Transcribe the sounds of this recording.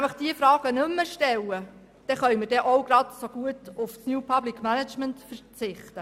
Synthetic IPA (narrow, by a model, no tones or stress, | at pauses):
æɪfəχd̥iəfɾɑːɡ̥ənɵmːəʃtɛlə | d̥ɛχœɥməɾd̥ɛʔɔwɡ̥ɾɑdsoɡ̥uətʊfsnjuːpʰɑblikʰmænət͡ʃməntfəɾt͡sɪχt̪ə